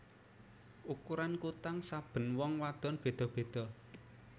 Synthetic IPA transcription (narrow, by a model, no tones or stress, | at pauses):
ʔukuɾankut̪aŋsab̥ə̤nwɔŋwad̪̥ɔ̤nb̥e̤d̪̥ɔ̤b̥e̤d̪̥ɔ̤